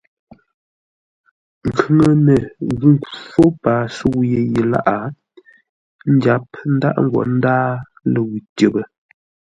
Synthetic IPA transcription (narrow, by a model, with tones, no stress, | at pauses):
ŋ̩˨kʰʉ˦ŋə˦nə˨ɣʉ˦˨ŋ˨kfo˦paː˨su˦wu˦je˦˨je˨la̰˦ʔa˨ | n̩˦d͡ʒa˦p̚n̩˦da̰˦ʔŋ̩˦ɡwɔ̰˨n̩˦daː˦ | lə˨ɣu˨tə˨bə˨